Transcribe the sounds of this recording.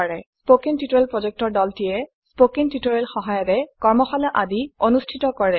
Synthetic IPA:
ɹɛspokiŋtitoɹelpɹozek̚tɔɹdɔltijɛ | spokiŋtitoɹelxɔɦajɔtɛkɔɹmɔxalɔʔadionustʰitɔkɔɹɛ

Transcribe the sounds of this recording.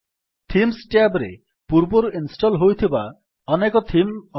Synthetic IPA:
t̪ʰimsʈeabɾḛ | puɾbɔɾuinsʈɔlɦojt̪ʰiba | ɔnekɔt̪ʰim

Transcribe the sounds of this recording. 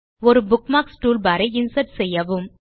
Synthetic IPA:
ɔɾɯbʊkmaːksʈuːlbɐɾɐɪɪnsɐʈsɛjːɐʋɯm

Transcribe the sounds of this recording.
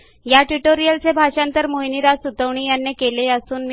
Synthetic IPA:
jaʈuʈoɾijəlt͡sebʱaʂãnt̪əɾmoɦiniɾasut̪əʋɳiːjanːekeleəsuːnm

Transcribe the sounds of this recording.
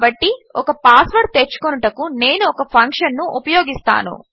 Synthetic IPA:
bɐʈːiɔkɐpaːsʋɐɾt̪et͡ʃːu̥konuʈɐkune̞ːnuɔkɐpʰɐŋkʂɐnːuʔupɐjoːɡist̪a̰ːnṵ

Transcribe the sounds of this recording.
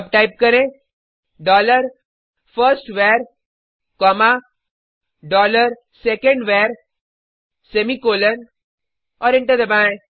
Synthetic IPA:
p̚ʈaːɪp̚kɐɾẽ | ɖɔːləɾ | fəɾsʈʋeːɾ | kɔːma | ɖɔːləɾ | sekə̃ɳɖʋeːɾ | semikoːlən | ɔːɾɪ̃ɳʈəɾd̪ɐbãːẽ

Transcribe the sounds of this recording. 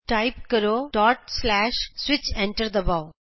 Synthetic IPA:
ʈaɪpkəɾoʈɔːʈslɛʃsʋɪt͡ʃɛ̃ɳʈəɾd̪əbaʊ

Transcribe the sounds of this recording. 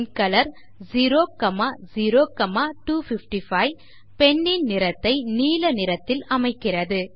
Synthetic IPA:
nkɐlɐɾ | ziɾoːkɐmaːziɾoːkɐmaːʈuːfɪfʈifɐɪ | pɛɳːɪnnɪɾɐt̪ːɐɪniːlɐnɪɾɐt̪ːɪlɐmɐɪkːɪrɐðɯ

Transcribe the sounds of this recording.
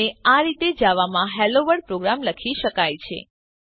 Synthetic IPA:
eaɾit̪ed͡ʒaʋamãɦɛloʋəɽpɾoɡɾamləkʰiʃəkajt͡ʃʰḛ

